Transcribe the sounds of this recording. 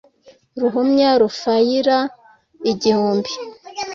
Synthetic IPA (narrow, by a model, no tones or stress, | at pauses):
ɾuɦumɲaɾufajiɾa | iɟihuːmbi